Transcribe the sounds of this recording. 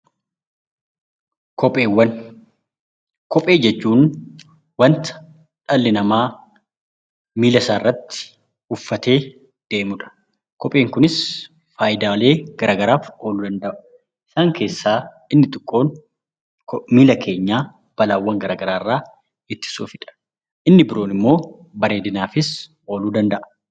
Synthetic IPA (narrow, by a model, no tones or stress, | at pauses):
kɔpʼeːwːɐn | kɔpʼe̞ːd͡ʒɛt͡ʃːuːn | wɐnt̪ɐ̥ | ᶑɐlːɪnɐmaː | miːlɐsaːrːɐt̪ːɪ̥ | ʊfːɐt̪e̞ː | d̪̥e̞ːmʊᶑɐ̥ | kɔpʼe̞ːŋkʊnɪs | faːjɪd̪aːle̞ːɡ̥ɐɾʔaːɡɐɾaːfo̞ːluːd̪ɐnd̪ɐʔʊ̥ | ɪsaːŋke̞ːsːaː | ɪnːɪt̪ʼɪkʼːo̞ːn | kmiːlɐkʰe̞ːɲːaː | b̥ɐlaːwːɐŋɡɐɾaːɡɐɾaːɪrːaː | ɪt̪ːɪ̥suːfɪᶑɐ̥ | ʔɪnːɪbɪɾo̞ːnɪmːo̞ː | bɐɾe̞ːd̪ɪnaːfɪs | o̞ːluːd̪ɐnd̪ɐʔɐ̥